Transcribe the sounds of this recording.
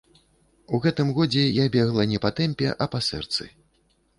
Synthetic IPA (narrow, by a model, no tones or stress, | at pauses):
uɣɛt̪ɨmɣɔd͡zʲɛjabʲɛɣlˠɐnʲɛpɐt̪ɛmʲpʲɛ̰ʔɐpɐsɛ̰rt̪sɨ̰